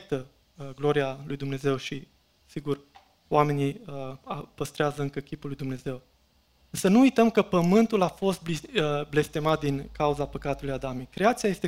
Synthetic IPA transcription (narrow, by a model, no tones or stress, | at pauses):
t̪ə | ɡlo̞ɾialujd̪umne̞ze̞wʃi | siɡur | oame̞niapəst̪ɾeazəɨŋkəkʲipulːujd̪umne̞ze̞w | ɨnsənuːjt̪əmkəpəmɨnt̪ulafo̞st̪̚bible̞st̪e̞mat̪̚d̪iŋkauzapəkat̪ulujad̪amekɾeat̪siaje̞st̪e